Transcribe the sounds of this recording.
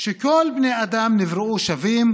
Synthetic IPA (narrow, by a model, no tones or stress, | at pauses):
ʃekolbnejad̪amnivʁeuʃavim